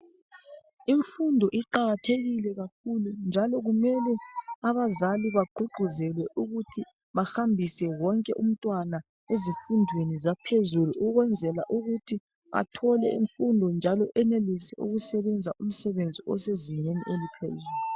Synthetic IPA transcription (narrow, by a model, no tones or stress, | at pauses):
iɱfundʱɔʔiǃaɣatʰeɣilɛɣakʰulund͡ʒʱalɔɣumɛlɛaβazaliβaɡ͡ǃʱuɡ͡ǃʱuzɛlwɛʔuɣutʰi | βaxambʱisɛwɔŋkʼɛʔum̩tʼwana | ezifundʱwenizapʰezuluuɣwɛnd͡zʱɛla̰ʔuɣutʰi | ʔa̰tʰɔlɛḭɱfundʱɔnd͡ʒʱalɔʔɛnelisɛ̰ʔṵɣusɛβɛnd͡zʱaum̩sɛβend͡zʱiɔseziɲeniʔelipʰḛzulu